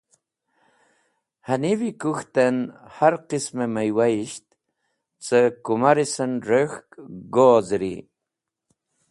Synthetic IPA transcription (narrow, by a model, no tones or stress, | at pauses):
hanivikuxt̪ənhaɾqismeməjwaiɕt̪ | t͡səkumaɾisənɾəxkɡoːzɾḭ